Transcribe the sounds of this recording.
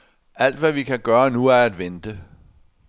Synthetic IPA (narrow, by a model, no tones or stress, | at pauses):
æl̰d̥ʋæʋikʰæɡ̥ɶːɐnuæɐæd̥ʋend̥ə